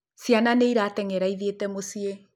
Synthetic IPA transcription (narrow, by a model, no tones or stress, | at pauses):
sjananeiɾaːtɛŋɛɾaiðietɛmosie